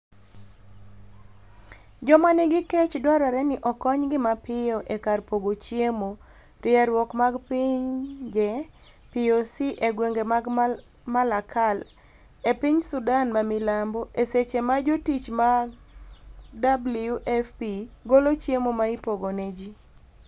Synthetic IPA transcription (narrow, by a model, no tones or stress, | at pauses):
d͡ʒɔmanɪɡɪkɛt͡ʃdwaɾaɾɛnɪʔɔkɔɲɡɪmapɪjɔʔekarpoɡot͡ʃjemo | ɾɪaɾwɔkmaɡpɪɲd͡ʒɛ | piosiʔeɡweŋɡemaɡ | malakʰal | epiɲsudanmamɪlamboʔeset͡ʃemad͡ʒotit͡ʃma | dabljuʔɛfpiɡolot͡ʃjemomaipoɡoned͡ʒi